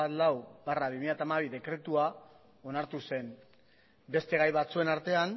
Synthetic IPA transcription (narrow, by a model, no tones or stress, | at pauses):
at̪lawbaraβimiʎjat̪amaβ̞iðe̞kɾe̞t̪ua | o̞naɾt̪use̞n | be̞st̪e̞ɣajβat͡sue̞naɾt̪e̞an